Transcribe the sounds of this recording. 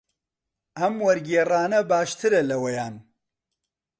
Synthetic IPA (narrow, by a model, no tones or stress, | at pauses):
ʔɐmwɐɾɡeːraːnɐbaːʃt̪ʰɨɾɐlɐwɐjaːn